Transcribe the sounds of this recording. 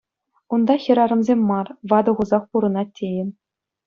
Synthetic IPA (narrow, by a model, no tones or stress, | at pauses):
und̪ɑxʲɘ̆ɾɑɾɤ̆mzʲemʲːɑrʋɑd̪ɤ̆ʁuzɑχpuɾɤ̆nɑtʲʰːejɘ̆n